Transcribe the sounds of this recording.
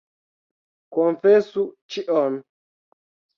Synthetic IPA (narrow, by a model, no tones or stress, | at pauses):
konfɛsut͡ʃiʔɔn